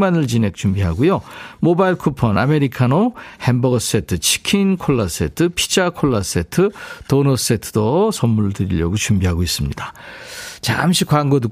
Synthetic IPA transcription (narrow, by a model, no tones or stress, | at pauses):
manɯɭt͡ɕine̞k̚t͡ɕumbiɦaɡujomobaiɭkʰupʰʌname̞ɾikʰanohembʌɡs͈etʰɯt͡ɕʰi̥kʰinkʰoɭːas͈e̞̰tʰɯpʰi̥d͡ʑakʰoɭːas͈etʰɯtonos͈e̞tʰɯ̥dosʌmːuɭdɯɾḭʎjʌ̰ɡot͡ɕumbiɦaɡois͈ɯmɲida | t͡ɕa̰mɕʰik͈waŋɡodɯ